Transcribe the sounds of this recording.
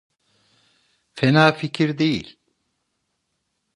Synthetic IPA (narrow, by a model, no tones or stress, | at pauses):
fɛnaːficʰiɾd̪ejḭlʲ